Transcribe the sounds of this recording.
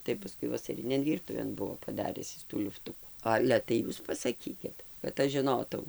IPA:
ˌtɐɪ pɐˈskʊɪ ʋɐsɐˈrʲɪnʲeːn ˈʋʲiːrtʊʋʲeːn ˈbʊʋoː pɐˈdɑːrʲɪs ˈɪs tuː ˈlʲʊftʊkʊ ˈɑːlʲɛ tɐɪ ˈjuːs pɐsɐˈkʲiːkʲɪt kɐt ˈɐʃ ʒʲɪˈnoːtɐʊ

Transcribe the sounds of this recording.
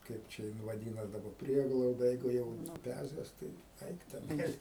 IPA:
ˈkɐɪp t͡ʃʲɛ jɪn ʋɐˈdʲiːnɐs dɐˈbɐ ˈpʲrʲiɛɡlˠɐʊdɐ jɛɪɡʊ ˈjɛʊ nʊˈpʲæzʲɛs tɐɪ ˈɐɪk tʲɛˈnɐɪs

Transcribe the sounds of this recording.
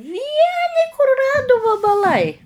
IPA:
ˈʋʲiɛnʲɪ kʊrʊˈrɑːdʊ ʋɐbɐˈlˠɐɪ

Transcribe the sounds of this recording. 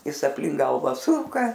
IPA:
ˈjɪs ɐpʲlʲɪŋk ˈɡɐlˠʋɐ ˈsʊkɐ

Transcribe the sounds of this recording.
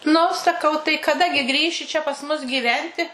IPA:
nʊ sɐˈkɐʊ tɐɪ kɐˈdɐ ɡʲɪ ˈɡrʲiːʃʲɪ t͡ʃʲɛ pɐs ˈmʊs ɡʲiːˈʋʲɛnʲtʲɪ

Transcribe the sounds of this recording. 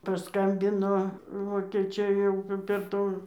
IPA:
pɐˈskɐmʲbʲɪnoː ʋoːkʲeːˈt͡ʃʲɛɪ jɛʊ p pʲɛr ˈtuː

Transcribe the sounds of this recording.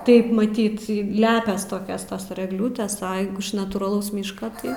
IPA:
ˈtɐɪp mɐˈtʲiːt ˈlʲæːpʲɛs ˈtoːkʲɛs ˈtɐs ɪr ɛɡˈlʲuːtʲeːs ɐ jɛɪɡʊ ɪʃ nɐtuːrɐˈlˠɐʊs ˈmʲiːʃkɐ ˈtɐɪ

